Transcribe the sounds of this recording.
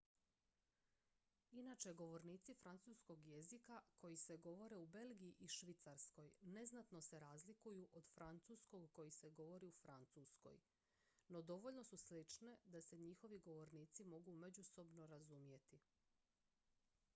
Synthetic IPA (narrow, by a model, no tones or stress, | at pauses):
inat͡ʃeɡo̞ʋo̞ɾniːt̪sifɾant̪suːsko̞ɡje̞zikakʰo̞jise̞ɡo̞ʋo̞ɾeube̞lɡijiʔiʃʋit̪saɾsko̞jne̞znat̪no̞seɾaːzlikujuʔod̪̥fɾant̪susko̞ɡko̞jise̞ɡo̞ʋo̞ɾiufɾant̪suːsko̞̰j | no̞d̪o̞ʋo̞ʎno̞suslit͡ʃne̞d̪ase̞ɲixo̞ʋiɡo̞ʋo̞ɾniːt̪simo̞ɡume̞d͡ʑuso̞bno̞ɾazumje̞t̪i